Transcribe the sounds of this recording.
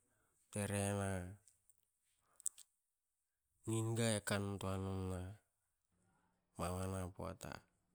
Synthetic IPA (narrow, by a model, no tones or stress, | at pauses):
teɾena | ninɡaekantoanunna | mawanapo̰a̰ta̰